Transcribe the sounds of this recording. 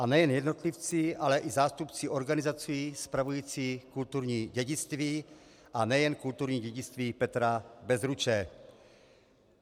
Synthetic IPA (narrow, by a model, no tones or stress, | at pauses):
ʔanɛjɛnjɛdno̞t̪lift͡siʔalɛʔizaːst̪upt͡siʔo̞ɾɡanɪzat͡siiːspɾavujiːt͡siːkult̪uɾɲiːɟɛɟɪst̪viː | ʔanɛjɛnkult̪uɾɲiːɟɛɟɪt͡st̪viːpɛt̪ɾabɛzɾut͡ʃɛ